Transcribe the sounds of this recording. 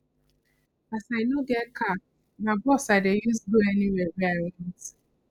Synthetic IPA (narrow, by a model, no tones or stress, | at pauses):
asaɪnoɡɛtkʰa | nabɔsaɪdejusduɛniwɛvaɔnɛ̃s